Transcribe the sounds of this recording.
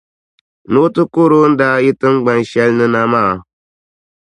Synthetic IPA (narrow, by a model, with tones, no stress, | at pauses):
no˦tɨ˦ko˦ɾo˦n̩˦daː˦jɪ˦tɨ˦m˦ɡ͡ba˨nʃɛ˦lnɨ˦na˦maː˦˨